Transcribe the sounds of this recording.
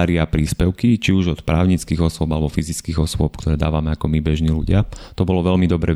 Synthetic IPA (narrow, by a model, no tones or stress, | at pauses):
ɾiapɾiːspɛʊkit͡ʃiuʒɔt̪pɾa̰ːʊɲit͡skiːɣɔsʊɔbalɛbɔfizit͡skiːɣɔsʊɔpkt̪ɔɾɛːd̪aːʋamɛakɔmibɛʒniːluɟɪat̪ɔbɔlɔʋɛʎmid̪ɔbɾɛ